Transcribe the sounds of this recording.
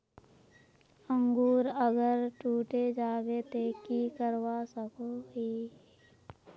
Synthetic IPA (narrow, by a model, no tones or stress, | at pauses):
ə̃ŋɡuːɾəɡəɾʈuːʈed͡ʒaːɡet̪eːkikəɾwasəkoɦiː